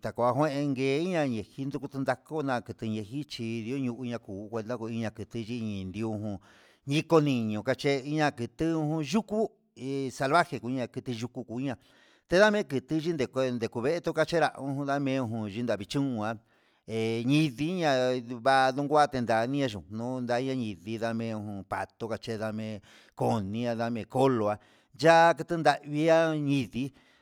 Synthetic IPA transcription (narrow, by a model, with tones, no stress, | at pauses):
t̪a˨ko˨˧˨a˧ɦw̃ẽ˦ʔẽ˧ŋɡeː˨˦i˦ɲã˧ɲẽ˨hi˦nd̪u˧ku˧t̪u˧nd̪a˧ko˦nã˧˨kɨ˧t̪ɨ˧ɲẽ˧hi˦t͡ʃi˧ði˧˦o˦ɲũ˧ʔu˧ɲã˧kuː˨˦kʷe˧nd̪a˦ko˧i˧ɲã˧kɨ˨t̪ɨ˧ʒi˧ɲĩ˨nd̪i˧ũ˧ɦũ˧ | ɲĩ˦ko˧nĩ˧ɲũ˨ka˧t͡ʃe˦i˦ɲã˧kɨ˧t̪ɨ˦ũ˧hũ˧ʒu˦ku˦ | e˨sa˧lβa˦he˧ku˨˧˦ɲã˧kɨ˧t̪i˧ʒu˧ku˧ku˨˦i˦ɲã˧ | t̪e˧ða˦mẽ˦kɨ˨t̪i˧˦ʒi˦nd̪e˨kʷe˧nd̪e˨ku˧βe˦ʔe˦t̪u˦ka˧t͡ʃe˦ɾa̰˧ʔũ˧˦hũ˧ða˦mẽ˧˦ũ˧ɦũ˧ʒi˧nd̪a˨βi˧t͡ʃũ˦ũ˧a˧ | e˨ɲĩ˦˧ði˧˦ɲã˧βa˦˧ðũ˦ŋɡʷa˦t̪e˧nd̪a˨˧nĩ˦ã˧ʒũ˨nũ˦˧nd̪a˧˦i˦ɲã˧ɲĩ˨ði˦ða˦˧mẽ˧˦˧ũ˧hũ˧pa̰˨t̪o˧ka˧t͡ʃe˦ða˧mẽ˧ | ko˧nĩ˧˦a˧ða˧mẽ˧ko˦lo˨a˧ | ja˦kɨ˧t̪ɨ˦nd̪a˧ʔβi˧˦a˦ɲĩ˧ði˧˦